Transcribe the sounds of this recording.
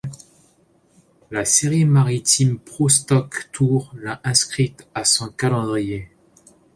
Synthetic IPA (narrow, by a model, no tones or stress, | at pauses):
laseʁimaʁit̪impχost̪ɔkt̪ʰuʁlaʔɛ̃skχit̪asɔ̃kalɑ̃d̪ʁije